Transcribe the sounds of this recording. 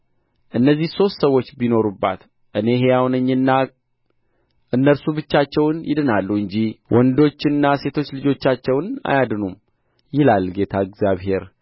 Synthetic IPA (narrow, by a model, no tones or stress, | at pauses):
ʔɨnːəzːihso̞st̪səwːo̞t͡ʃːbino̞ɾubːa̰t̪ | ʔɨne̞ɦejawnəɲːɨnːa | ʔɨnːəɾsubɨt͡ʃːat͡ʃːɛwnjɪ̰d̪ɨnalːuɨɲd͡ʒiwɔnd̪o̞t͡ʃːɨnːase̞t̪ʰo̞t͡ʃːlɨd͡ʒo̞t͡ʃːat͡ʃːɛwna̰jad̪ɨnum | jɪlalɡe̞t̪ʰaɨɡzjaβɦe̞ɾ